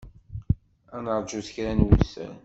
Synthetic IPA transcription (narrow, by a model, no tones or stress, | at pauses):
ænəɾˤd͡ʒuθəçɾænwuθæ̰n